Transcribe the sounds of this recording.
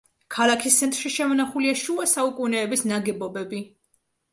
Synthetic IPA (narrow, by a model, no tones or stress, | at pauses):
kʰalˠakʰist̪sʰɛnt̪ʼɾʃiʃɛmɔnaχuliaʃuasaukʼunɛːbisnaɡɛbɔbɛbi